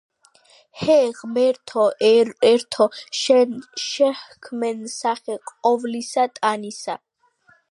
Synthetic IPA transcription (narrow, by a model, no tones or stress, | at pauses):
hɛʁmɛɾt̪ʰɔɛɾt̪ʰɔʃʃɛhkʰmɛnsaχɛqʼɔvlisat̪ʼanisa